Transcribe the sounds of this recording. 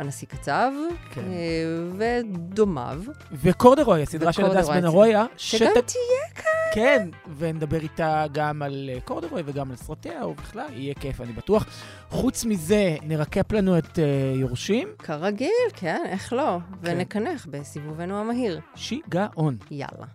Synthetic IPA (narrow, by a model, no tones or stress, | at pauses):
anasikat͡savkʰeved̪oma̰v | vekoʁd̪eʁojasid̪ʁaʃeadasenaʁojaʃettijekʰakenvened̪abeʁitaɡamalkoʁd̪eʁojaveɡamalsʁateaobiχlalijekefanibatuaχ | χut͡smize̞neʁakeplanuetejoʁuʃimkʰaʁaɡilkʰeneχlo̞venekaneχbesivuvenuamaɦiʁʃiɡaʔonja̰la̰